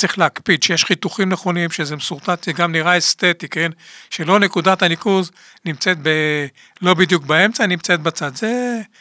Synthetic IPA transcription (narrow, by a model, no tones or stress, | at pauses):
t͡sʁiχleakpid̪ʃejeʃχit̪uχimneχo̞nimʃezemsuʁt̪at̪eɡamniʁaest̪e̞t̪ikenʃe̞lo̞ne̞kud̪at̪hanikuz | nimt͡set̪̚be | lo̞bid̪jukbae̞mt͡sanimt͡set̪bat͡sad̪ze